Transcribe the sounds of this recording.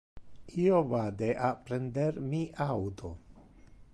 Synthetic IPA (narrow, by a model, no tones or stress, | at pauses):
iovad̪eʔapɾend̪eɾmiʔawt̪o